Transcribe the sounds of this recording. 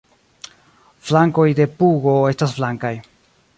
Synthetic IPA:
flaŋko̞jde̞puɡo̞e̞stasflaŋkaj

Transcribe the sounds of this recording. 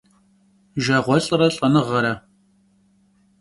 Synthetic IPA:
ʒɐʁʷɔɬʼɨrɐɬʼɐnɨʁɐɾɐ

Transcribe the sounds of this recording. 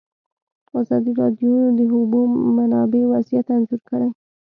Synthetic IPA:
ɑzɑd̪iɾɑd̪jod̪əɦubomanɑbewazijat̪anzuɾkəɽej

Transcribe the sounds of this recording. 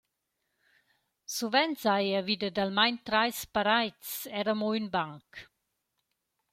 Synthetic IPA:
suvɛnt͡sajavid̪əd̪almajnt̪ɾajspaɾajt͡sɛɾəmoynbaŋk

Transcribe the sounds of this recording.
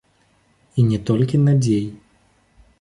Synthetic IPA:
inʲɛt̪ɔlʲkʲinɐd͡zʲej

